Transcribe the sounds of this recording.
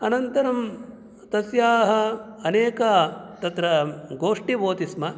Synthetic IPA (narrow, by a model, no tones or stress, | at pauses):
ɐnɐnt̪ɐɾɐm | t̪ɐsjaːɦɐ̆ɐneːkɐt̪ɐt̪ɾɐɡoːʂʈiboːt̪ismɐ